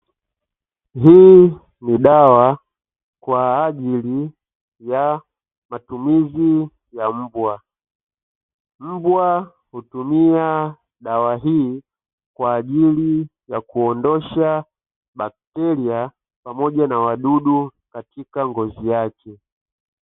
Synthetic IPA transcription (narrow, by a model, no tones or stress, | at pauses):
ɦiː | niɗawa | kwaːʄili | ja | matumizi | jam̩bwa | m̩bwa | hutumia | ɗawaɦiː | kwaːʄilijakuɔndɔʃa | ɓak̚tɛlia | pamɔʄanawaɗuɗukatikaŋɡɔzijakɛ